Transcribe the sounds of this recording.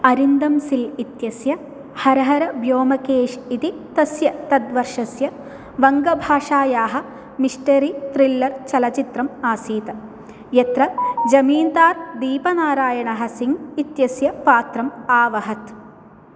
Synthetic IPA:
ɐɾind̪ɐmsilit̪jɐsjɐ | hɐɾɐɦɐɾɐbʱjoːmɐkeːʂit̪it̪ɐsjɐt̪ɐd̪ʋɐɾʂɐsjɐ | ʋɐŋɡɐbʱaːʂaːjaːɦɐ̆ | miʂʈɐɾit̪ɾilːɐɾt͡ʃɐlɐt͡ʃit̪ɾɐmaːsiːt̪ɐ | jɐt̪ɾɐd͡ʒɐmiːnd̪aːɾd̪iːpɐnaːɾaːjɐɳɐɦɐ̆siŋɡit̪jɐsjɐpaːt̪ɾɐmaːʋɐɦɐt̪

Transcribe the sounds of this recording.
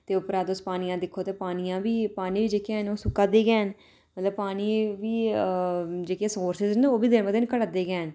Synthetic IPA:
t̪eːʊpəɾaːd̪ʊspaːnɪjãːd̪ɪkʰːoːt̪eːpaːnɪjãːʋiːpaːniːʋiːd͡ʒeːkjãːɦnoːsʊkːaːd̪eːɡɛːɦn | mət̪ləbpaːniːʋiː | d͡ʒeːkjẽːsoːɾsɪznoːbiːd̪ɪnʋəkd̪ɪnkəɽəd̪eːɡɛːɦən

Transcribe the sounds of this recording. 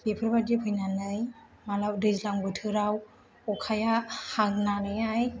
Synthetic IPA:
bipʰɯɾbadipʰɯjnanɯj | malawdɯzlaŋbɯtʰɯɾaw | ɔkʰajahaŋ̚nanɯjaj

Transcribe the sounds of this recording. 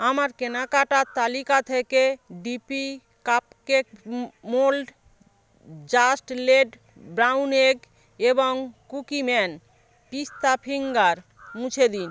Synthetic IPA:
amaɾkenakaʈat̪alikat̪ʰekeɖipi | kapkemolɖ | d͡ʑasʈleɖ | bɾawneɡ | eboŋkukimɛn | pist̪apʰiŋɡaɾ | mũt͡ɕʰed̪in

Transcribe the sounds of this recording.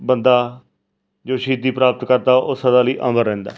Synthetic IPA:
bənd̪aː | d͡ʒoːʃiːd̪iːpɾaːpət̪kəɾd̪aːʔosəd̪aːliːʔəməɾːɛ̃ːnd̪a̰ː

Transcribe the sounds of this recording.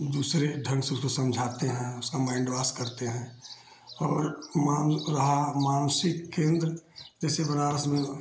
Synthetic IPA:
d̪uːsɾeɖʱə̃ŋɡseosə̃md͡ʒʱaːt̪eɦɛ̃ʊskamãːɪ̃ɳɖbaːskəɾt̪eɦɛ̃ | ɔːɾmanɾəɦamaːnsɪkːẽːnd̪ɾəd͡ʒɛːsebənaːɾəsmẽ

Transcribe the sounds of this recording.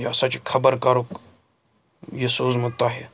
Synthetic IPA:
jasãt͡ʃikʰɐbəɾkɐɾok | jesoːzmʊt̪ːaɦe

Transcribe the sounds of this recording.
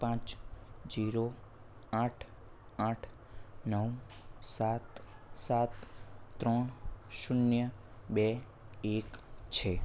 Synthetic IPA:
pãt͡ʃd͡ʒiɾo | aʈʰ | aʈʰ | nəw | sat̪sat̪t̪ːɾɔɳ̃ʃunjəbɛ | ekt͡ʃʰe

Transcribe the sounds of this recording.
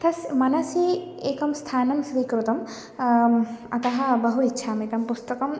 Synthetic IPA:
t̪ʰɐsmɐnɐsi | eːkɐmst̪ʰaːnɐmsʋikɾut̪ɐm | ɐt̪ɐɦɐbɐɦuitːʃʰamit̪ɐmpust̪ɐkɐm

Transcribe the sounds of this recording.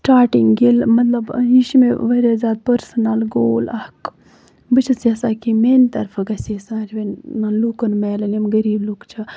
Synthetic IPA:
ʈaːʈiŋɡɡilmɐt̪lɐbjiʃmeʋɐɾezaːd̪̚pɐɾsɐnalɡoːlɐhk | bɨt͡ʃʰɐsjɐsaːkiment̪ɐɾfʰɐɡɐsisãːd͡ʒʋenmɐnlukɐnmɐːlɐnimɡɐɾiːblukt͡ʃʰɐ

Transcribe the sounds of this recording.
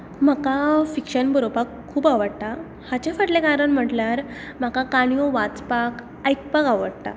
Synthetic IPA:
m̤akafikɕənbʱəɾopakʰːuːbaʋəɽt̪a | hat͡ɕafəʈlekaɾəɳm̤əʈlaɾ | m̤akakaɳ̃ijɔʋat͡spak | ajk̚pakaʋəɽt̪a̰

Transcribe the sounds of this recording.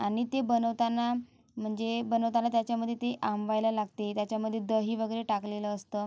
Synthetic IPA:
aɽ̃it̪ebənəʋt̪anːa | m̤əɳd͡zebənəʋt̪alat̪jat͡ɕjaməd̪ʱːjet̪eʔamʋajləlaɡt̪et̪jat͡ɕjaməd̪ʱːjed̪əɦiːʋəɡəɾeʈakleləːst̪əː

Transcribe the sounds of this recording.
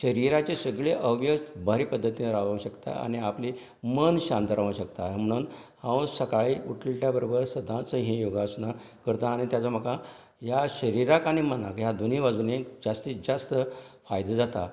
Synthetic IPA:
ɕəɾiɾat͡ɕesəɡɭeʔəʋjəsbəɾipəd̪ʱːət̪ineɾaʋaʋũɕəkt̪a̰a̰ñiapli | mənɕãnt̪əɾaʋũɕəkt̪am̤əɽ̃uːnhãwsəkaɭiuʈʰlʈjabəɾobəɾsəd̪ʱãt͡səɦĩjoɡasna | kəɾt̪aːɽ̃it̪jat͡sam̤əka | jaɕəɾiɾakaɽ̃imənakɦjad̪oniʋad͡zunẽkd͡zast̪id͡zast̪əfajd̪ad͡zat̪a

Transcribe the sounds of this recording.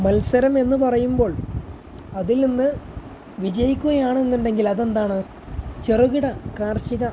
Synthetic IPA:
mɐlsɐɾɐme̞nːupɐrɐjumbo̞ːɭ | ɐðilninːɨ | ʋid͡ʑɐjikʲːuɣɐjaːɳenːuɳɖe̞ŋɡilɐðe̞nd̪aːɳɨ | t͡ɕeruɣiɽɐkaːrɕiɣɐ

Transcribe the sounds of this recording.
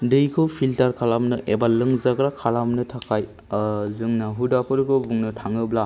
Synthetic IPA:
dɯjkʰɯwpʰiltaɾkʰalamnɯʔebalːɯŋzaɡɾakʰalamnɯtʰakʰaj | zɯŋnaɦudapʰɯɾkʰɯbuŋnɯtʰaŋɯbla

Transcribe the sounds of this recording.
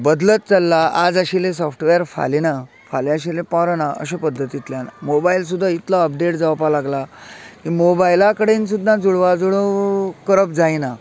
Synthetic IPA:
bəd̪lət̪̚t͡səlːaʔad͡zəɕilẽsɔfʈʋeəɾfa̰lena | faleaɕilepɔɾənaə̰ɕəpəd̪ʱːət̪it̪ljanamobails̬ud̪ʱːait̪laəp̚ɖeʈd͡zaʋpalaɡlakimobajilakəɽens̬ud̪ʱːãd͡zuɭʋad͡zuɭokəɾəpd͡zajna

